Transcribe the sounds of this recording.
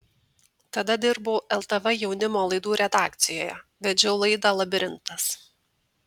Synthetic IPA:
t̪ɐd̪ɐd̪ʲɪɾboːʔɛlˠt̪ɐʋɛjɛʊnʲɪmoːlˠɐɪd̪uːɾʲɛd̪ɑːk̚t̪sʲɪjoːjɛ̰ʋʲɛd͡ʒʲɛʊlˠɐɪd̪ɑlˠɐbʲɪɾʲɪnt̪ɐs

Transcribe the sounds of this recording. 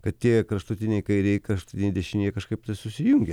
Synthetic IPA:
kɐt̪t̪ʲiɛkɾɐʃt̪ʊt̪ʲɪnʲɛɪkɐɪɾʲɛɪkɾɐʃt̪ʊ̥t̪ʲɪnʲɛɪd̪ʲɛʃʲɪnʲijɛkɐʃkɐɪp̚t̪ɐɪsʊsʲɪjʊŋʲɡʲɛ

